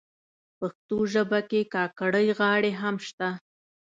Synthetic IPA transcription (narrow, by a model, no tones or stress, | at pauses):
paxt̪oʒəbakekɑkaɽəjɣɑɽeɦamʃt̪a